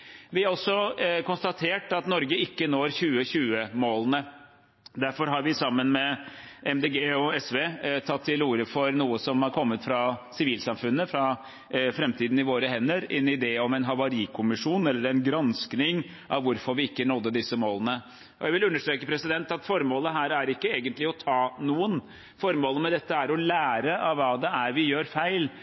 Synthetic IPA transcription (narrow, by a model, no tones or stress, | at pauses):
ʋɪhɑɾɔsɔkʊnst̪ɑt̪ʰeːʈɑt̪nɔɾɡəɪkːənoːɾçʉːəçʉːəmoːlənə | d̪æɾfɔɾɦɑɾʋɪsɑmːənmɛɛmd̪eːɡeːɔɛsʋeːt̪ʰɑt̪ʰːɪluːɾəfɔɾnuːəsɔmhɑɾkʰɔmːət̪fɾɑsɪʋiːlsɑmfʉnːəfɾɑ | fɾɛmt̪ʰiːd̪n̩ɪʋoːɾəɦɛnːəɾɪnːɪɪd̪eːɔmɛɪnɦɑʋɑɾiːkʰʊmɪʂuːnɛlːəɾɛnɡɾɑnsknɪŋ | ʔɑʋʋʊɾfɔɾʋɪɪkːənɔd̪ːəd̪ɪsːəmoːlənə | ʔɔ̰jæɪʋɪlʉnːəʂʈ̪ɾeːkəpʰɾɛsɪd̪ɛnt̪ɑt̪fɔɾmoːləɦæːɾæɾɪkːəeːɡənt̪lɪɔt̪ʰɑːnuːən | fɔɾmoːləmɛd̪ɛt̪ːəæɾɔlæːɾəʔɑʋʋɑːd̪ɛʔæɾʋɪjøːɾfæɪl